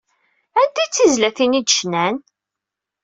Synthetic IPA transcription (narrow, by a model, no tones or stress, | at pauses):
ænt̪it͡sːizlæθinid̪ʃnæn